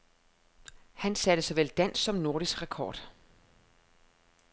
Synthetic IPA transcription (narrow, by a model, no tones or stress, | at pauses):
hænsæd̥əsɑɪʋel̰d̥æn̰sːɒ̽mno̝ɐɾ̥isɡ̥ʁakʰɒ̰ːd̥